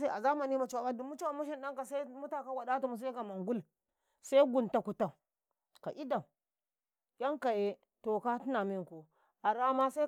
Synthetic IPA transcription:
a˦a˨za˦ma˨ni˦ma˨t͡ʃwa˨ba˦du˨mu˦t͡ʃi˦wa˨mu˦ʃ̬i˦nɗa˦ŋka˨sa˦mu˦ta˨ka˦wa˨ɗa˦tu˨mu˨s̬a˦i˦ka˨ma˨ŋɡu˦l | sa˦ɡu˨nta˨ku˨ta˨ | ka˨ʔi˦da˨ | ja˦ŋka˨je˨ | to˨ka˦ti˦na˨mi˦ŋ˨ko˨ | a˨ɾa˦ma˦sa˦

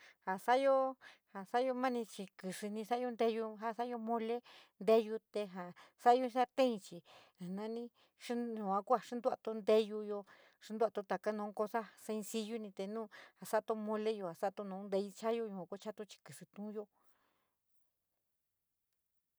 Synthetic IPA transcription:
ha˨sa˦jo˦ha˨sa˦jo˧mã˦nĩ˧t͡ʃi˧kɨ˨ʂɨ˧nĩ˧sa˦jo˧nd̪e˧ju˧ɦa˧sa˦jo˧mõ˧le˦nd̪e˦ju˧t̪e˧ɦa˨sa˦jo˧ĩ˧˦sa˦t̪ẽ˦ĩ˧t͡ʃi˨ | nã˧˦nĩ˦ | ʂi˧ɲũ˨ã˧ku˦a˨ʂi˦nd̪u˦˧a˧t̪o˧nd̪e˧ju˧jo˧ | ʂi˧˦d̪a˧t̪o˧t̪a˨ka˦nõ˧˦ko˧sa˦se˧nsi˧ju˦nĩ˧t̪e˧nũː˦˧ha˨sa˦˧t̪o˧mõ˧le˦jo˧˨a˨sa˦˧t̪o˧nõ˧˦nd̪e˧ji˧t͡ʃa˦jo˦ɲũ˧ã˨˧ko˦t͡ʃa˦t̪o˧t͡ʃi̥˧kɨ˨sɨ˧t̪ũ˦jo˧

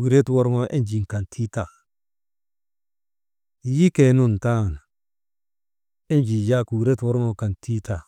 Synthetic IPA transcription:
u˨ɾe˦two˦ɾŋo˦ʔe˦nd͡ʒi˨ŋ˨ka˨ntʰi˦ta˨ | ji˦ke˨nu˦n˨ta˦˨n | e˦nd͡ʒi˨ja˦ku˨ɾe˦two˦ɾŋo˨ka˨nti˦ta˨

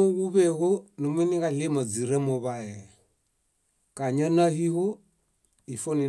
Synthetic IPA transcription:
ɔ˦ɣu˦βɛ˦ɣɔ˦ni˨mwɛ˦ni˦ka˨li˦ma˨d͡zi˨ɾɛ˦mɔ˨βa˦ɛ˨ | ka˨ɲa˦na˦hi˦hɔ˦ | i˨fɔ˦ni˨

